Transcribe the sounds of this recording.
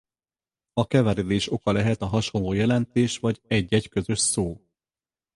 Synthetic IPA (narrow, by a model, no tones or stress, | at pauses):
ɒkɛvɛɾɛd̪eːʃo̞kɒlɛɦɛt̪ɒɦɒʃo̞nloːjɛlɛnt̪eːʃʋɒɟɛɟːɛɟkø̞zø̞ʃsoː